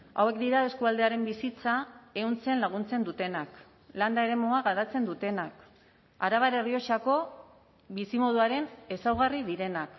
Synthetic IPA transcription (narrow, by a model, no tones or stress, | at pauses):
a̰we̞kd̪iɾae̞skuald̪e̞aɾe̞mbisit͡sae̞unt͡senlaɣ̞unt͡se̞nd̪ut̪e̞nak | land̪aeɾe̞moaɣaɾat͡se̞nd̪ut̪e̞nak | aɾaβaɾe̞rio̞t͡ʃako̞ | βisimo̞ð̞uaɾe̞ne̞sawɣariðiɾe̞nak